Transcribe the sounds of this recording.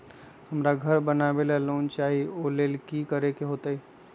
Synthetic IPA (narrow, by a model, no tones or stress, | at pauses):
həmɾaɡʱəɾbənabelɛloːnt͡ʃaːɦioleːlkikəɾekeɦoːt̪əi